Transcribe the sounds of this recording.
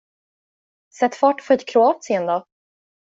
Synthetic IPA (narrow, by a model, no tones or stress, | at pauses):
sɛt̪ːfɑːʈfʰɔɛt̪kʰɾʊɑːt̪sɪənd̪ɑ